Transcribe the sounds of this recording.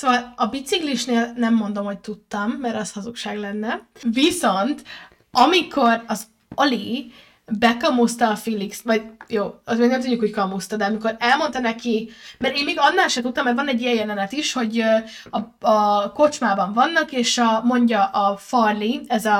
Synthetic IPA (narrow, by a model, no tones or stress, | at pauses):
sovɒlɒbit̪sikliʃneːlnɛmːo̞n̪d̪o̞mho̞c̚t̪ut̪ːɒmːɛɾɒshɒzukʃaːɡlɛnːɛviso̞nt̪ | ɒmiko̞rɒz | oli | bɛkɒmust̪ɒːfiliksmɒɟjoːt̪eːɡnɛmt̪udɟːukho̞ckɒmust̪ɒd̪ɛɒmiko̞ɾɛlmo̞nt̪ɒnɛkimɛɾeːmmeːɡɒnːaːlʃɛt̪ut̪ːɒmːɛɾvɒnɛɟːijɛjɛlɛnɛt̪iʃho̞ɟøɒɒko̞t͡ʃmaːbɒɱvɒnːɒkeːʃɒmo̞ɲɟɒʔɒfɒrliɛzɒ